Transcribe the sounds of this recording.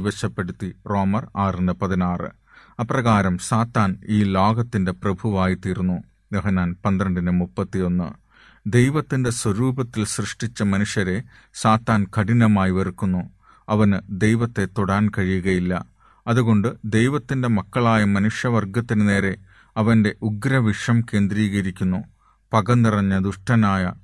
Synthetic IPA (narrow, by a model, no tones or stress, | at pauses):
ʋɐt͡ɕːɐpːe̞ɽut̪ːiro̞ːmɐraːjrɐnːɐpɐðinaːrɨ̰ | ɐprɐɣaːɾɐmsaːt̪ːaːniːlo̞ːɡɐt̪ːinde̞prɐbʱuʋaːjit̪iːrunːu | d̪ɐɦɐnaːnpɐnd̪ɾɐɳɖɐnɨmupːɐt̪ːijo̞nːɨ̰ | d̪e̞jʋɐt̪ːinde̞swɐɾuːbʱɐt̪ːilsrɨʂʈit͡ɕːɐmɐnuʂjɐɾe̞ | saːt̪ːaːnkɐɽinɐmaːjiʋɐrkːunːu | ɐʋɐnɨd̪e̞jʋɐt̪ːe̞t̪ːoɽaːnkɐɻijuɣɐjilːɐ̰ | ɐðuɣo̞ɳɖɨd̪ejʋɐt̪ːinde̞mɐkːɐɭaːjɐmɐnuʂjɐʋɐrɡɐt̪ːinɨne̞ːɾe̞ | ɐʋɐnde̞ʔuɡɾɐʋiʂɐmke̞ːnd̪ɾiːɣɐɾikʲːunːu | pɐɣɐnːirɐɲːɐd̪uʂʈɐnaːjɐ̰